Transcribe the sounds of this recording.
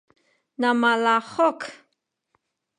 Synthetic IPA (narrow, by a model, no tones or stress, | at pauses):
namalaχok